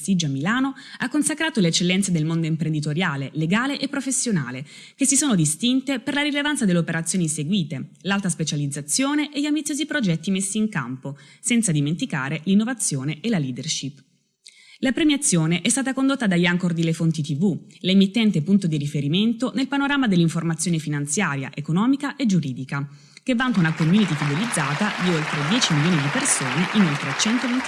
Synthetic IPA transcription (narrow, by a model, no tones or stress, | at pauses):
sid͡ʒamːilaːnoakːonsakɾaːt̪olet͡ʃːelːɛnt̪sed̪elmond̪oimpɾend̪it̪oɾjaːleleɡaːleʔepːɾofesːjona̰ːle | k̟esːisoːnod̪ist̪int̪eperlaɾilevant̪sad̪eleopeɾat̪sːjoːniseɡwiːt̪elalt̪aspet͡ʃalid̪zːat̪sːjoːneʔeʎːiambit̪sjoːzipɾod͡ʒɛt̪ːimesːiːŋka̰mposɛnt̪sad̪iment̪ika̰ːɾelinːovat̪sːjoːneelaliːd̪erʃipː | lapɾemjat̪sːjoːneʔɛst̪aːt̪akond̪ot̪ːad̪ajaŋkord̪ilefont̪it̪ivulemit̪ːɛnt̪epunt̪od̪iɾifeɾiment̪onelpanoɾaːmad̪elːiɱformat̪sːjoːnefinant̪sjaːɾja̰ʔekonɔːmikaʔed͡ʒuɾiːd̪ika | kevːaŋt̪aunakomjuːnit̪ifid̪elid̪zːaːt̪ad̪iolt̪ɾed̪jɛːt͡ʃimiljoːnid̪ipersoːneʔinolt̪ɾeat͡ʃɛnt̪ovent̪i